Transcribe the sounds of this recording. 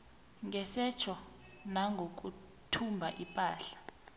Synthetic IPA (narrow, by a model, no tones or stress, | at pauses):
ŋʱɛsɛt͡ʃʰɔ | naŋɡʱok̬u | tʰumbʱaʔipʼaːɬḁ